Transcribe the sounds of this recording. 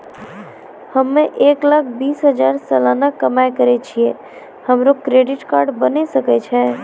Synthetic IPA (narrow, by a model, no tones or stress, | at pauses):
həmːeʔeklak̚ʰbiːsɦəd͡ʒaɾsəlanakəmajkəɾɛt͡ʃʰie | həmɾokɾeɖɪʈkaɾɖbənɛsəkɛt͡ʃʰɛ̃